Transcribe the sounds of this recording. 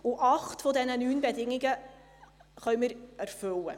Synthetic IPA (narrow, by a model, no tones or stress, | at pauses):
ʊʔɑχtfɔdɛnənyːnbɛdɪŋɪɡə | χœʏmɪɾɛɾfølə